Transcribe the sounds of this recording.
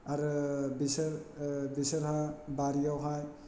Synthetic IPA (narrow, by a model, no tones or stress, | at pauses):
aɾbis | bisəɾɦabaɾijawɦaj